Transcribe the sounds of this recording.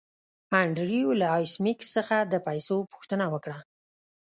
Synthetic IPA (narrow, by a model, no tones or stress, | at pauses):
aɳɖɾijolaɑjsmikssəxad̪əpajsopʊ̥xt̪ənawəkɽa